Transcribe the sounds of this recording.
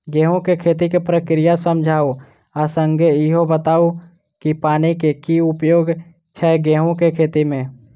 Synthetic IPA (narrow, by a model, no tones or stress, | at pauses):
ɡɛːɦõkekʰeːt̪ikepɾəkɾijasəmd͡ʒʱaːo | əsə̃ŋɡʱeɪɦobət̪aːo | kipaːnikekiʊpjoːɡ | t͡ʃʰɛɡɛːɦõkekʰeːt̪imẽː